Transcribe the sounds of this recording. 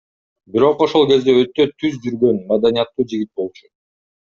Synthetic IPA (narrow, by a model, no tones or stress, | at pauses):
biɾo̞qo̞ʃo̞lˠke̞zd̪e̞ø̞t̪ːø̞t̪ʰyzd͡ʒyɾɡø̞nmɑd̪ɑnijat̪ːuːd͡ʒiɡʲit̪̚bo̞lˠt͡ʃu̥